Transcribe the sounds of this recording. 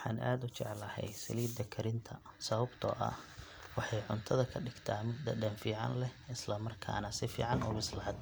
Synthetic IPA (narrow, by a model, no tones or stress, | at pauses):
ħɑ̰ːnʔa̰ːd̪ʊt͡ʃɛʕlɐhɛ̰jsɐliːd̪ɐkʰɐɾɪnt̪ʰɐsɐβɐbt̪ʰɔ̰ːʔɐ̰ | wɑħɑjʕʊnt̪ʰɐðɐkʰɐɖɪɡt̪ʰaːmʊd̪d̪ɐɖɐnfiːʕɑ̰nlɛɪslɐmɐrkʰa̰ːnɐsɪfḭːʕɑnɔ̰ːbɪslɐd̪